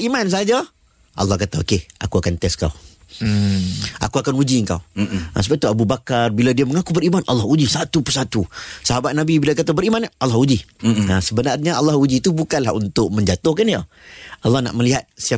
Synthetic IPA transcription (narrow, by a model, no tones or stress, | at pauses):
imans̬aad͡ʒa | ʔa̰lːɑhkat̪aokea̰kuakant̪ɛska̰w | ʔa̰kuakanud͡ʒiəŋka̰w̰səbat̪uabubakarbiladiaməŋakubəɾimanʔalːɑhud͡ʒisat̪upəsat̪usaɦabat̪̚nabibilak̬at̪abəɾimanʔalːɑhud͡ʒiasəbənarɲaalːɑhud͡ʒit̪ubukanlaunt̪ʊʔ̚mə̃ɲd͡ʒat̪ʊhkaniə | alːɑhna̰ʔmə̃liɦat̪̚sia